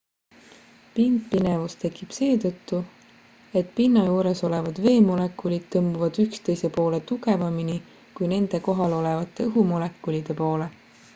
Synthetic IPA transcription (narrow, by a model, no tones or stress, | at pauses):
pind̪̥̚pinevust̪e̞kːˑib̥se̞ːt̪ɤt̪ːu | e̞t̪pinːɑjuːɾe̞so̞le̞vɑd̪̥ve̞ːmo̞le̞kːˑulid̪̥̚t̪ɤmbuvɑd̪̥ykst̪e̞jse̞po̞ːle̞t̪uɡe̞vɑmini | kujne̞nd̪̥e̞ko̞ɦɑlo̞le̞vɑt̪ːˑe̞ɯɦumole̞kːˑulid̪̥e̞po̞ːle̞